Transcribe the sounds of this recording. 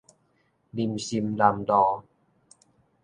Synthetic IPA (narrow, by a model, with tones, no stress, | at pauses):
li˧˩msi˧mla˧˩md̪ɔː˧˩